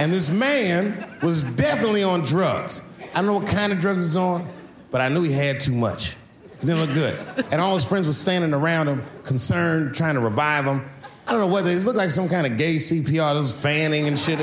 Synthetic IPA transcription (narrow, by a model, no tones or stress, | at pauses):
ɨ̃nðɪs̬mæ̃nwʌzdɛfənətˡliə̃ndɹʌɡz̥ɪdõnoʊwʌtkʰãɪ̃ndɨvdɹʌɡzɨzn̩ | b̥ʌɾaɪnuiɨd̚tʰʉmʌ̰t͡ʃ | dⁿnlʊk̚ɡ̥ʊɾɨ̃ñɔlˠɨz̥fɹɛ̃ndzwə˞stæ̃ndɪ̃ŋə˞ãʊ̃ndɨ̃mkʰn̩sɜ̃˞ntʰɹ̥aɪɪ̃ŋtʰəɹɨvaɪvə̃maaɪdõʊ̃nːoʊwʌt̪̚ðɨs̬lʊk̚laɪksʌ̃mkãɪ̃ndɨɡeɪsipʰiɑðwʌfæ̃nɪ̃ŋɨ̃nʃɪɾ̃